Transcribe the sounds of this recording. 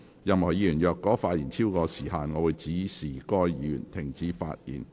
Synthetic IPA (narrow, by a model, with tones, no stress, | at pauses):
jɐ˨mhɔː˨˩jiː˨˧˥jyː˨˩njœː˨˧kːɔː˨˥faː˧t̚jiː˨˩nt͡sʰiː˥wkɔː˧siː˨˩haː˨nŋɔː˨˧wuː˨˧jt͡siː˨˥siː˨˩kɔː˧jjiː˨˥jy̰ː˨˩nt̪ʰɪ˨˩ŋt͡siː˨˥fa̰ː˧t̚jḭː˨˩n